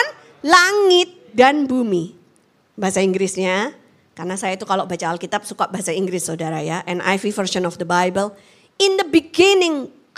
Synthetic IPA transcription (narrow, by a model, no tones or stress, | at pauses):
n | laŋɪt̪̚danbumi | baɦasaiŋɡɾɪsɲa | karnasajait̪ukaloʔbat͡ʃaːlkit̪ap̚sukaʔbaɦasaiŋɡɾɪsːoudaɾajaʔɛnʔa̰jfifəɾʃɔnɔfd̪əbajbəl | ɪnd̪əbiɡinɪŋ | k